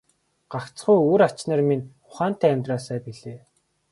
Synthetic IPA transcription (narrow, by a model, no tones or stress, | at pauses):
ɢ̥akt͡sɢujuːɾat͡ɕnăːrminχʊχaːn̥t̪ʰæːnʲt̪raːsæːpiɮeː